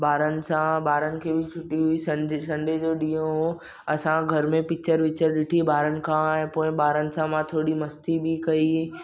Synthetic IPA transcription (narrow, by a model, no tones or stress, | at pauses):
baːɾənɪ̆sãbaːɾənɪ̆kʰeːbʱɪt͡ʃʰʊʈiɦʊisɐɳɖsɐ̃ɳɖed͡ʑoːɗiːjõɦo | ɐsãɡʱɐɾmẽpɪk̚t͡ɕəɾʋɪt͡ɕəɾɗɪʈʰibaːɾənɪ̆kʰãẽpoːɪ̃ɓaːɾənɪ̆sãmãt̪ʰoːɽimɐst̪ibʱɪkɐi